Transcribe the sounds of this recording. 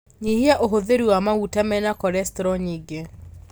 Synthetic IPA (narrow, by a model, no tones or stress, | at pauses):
ɲiɦiaʔoɦoðeɾuwamautamɛnakɔɾɛstɾɔɲiɡe